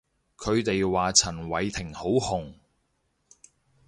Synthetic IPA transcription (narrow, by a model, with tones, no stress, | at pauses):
kʰɵ˨˧ɥt̪e˨jwaː˨t͡sʰɐ˨˩nwɐ˨˧jt̪ʰɪ˨˩ŋho˨˥whʊ˨˩ŋ